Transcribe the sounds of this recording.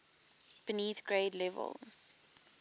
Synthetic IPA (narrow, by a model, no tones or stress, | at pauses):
b̥ɪniːθɡ̥ɹeɪdlɛvə̰lz̥